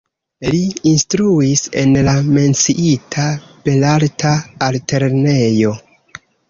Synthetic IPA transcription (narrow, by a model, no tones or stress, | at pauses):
liːnstɾuise̞̰nlame̞nt͡siʔitʰape̞laltʰaːlte̞ɾne̞jo̞